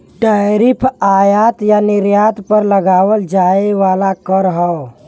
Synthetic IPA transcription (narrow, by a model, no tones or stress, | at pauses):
ʈəɾipʰajat̪janiɾjat̪pəɾləɡaːwəld͡ʒaeʋaːlakəɾɦəw